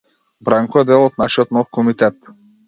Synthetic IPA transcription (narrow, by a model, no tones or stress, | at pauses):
bɾaŋkɔɛd̪ɛlˠɔt̪̚naʃijɔt̪nɔfkɔmit̪ɛt̪